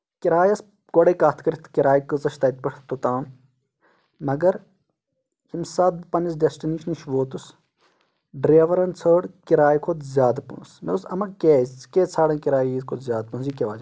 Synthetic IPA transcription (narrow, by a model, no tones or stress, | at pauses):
kiɾaːjɐs | ɡoɽekaːt̪ʰkɐɾit̪ʰkiɾaːjikɨzɐʃt̪ɐt̪̚pɐʈʰt̪ot̪aːn | mɐɡɐɾ | himsɐːt̪̚pɐnisɖesʈiniʃɐniʃʋoːt̪us | ɖɾeːʋɐɾɐnt͡sʰəːɽkiɾaːjikʰot̪zjaːd̪pṵ̃nsmeusɐmɐkeːkeːt͡sʰaːɽɐ̃ːkiɾaːjiːzkʰot̪zjaːd̪̚punzikʲeʋaːd͡ʒ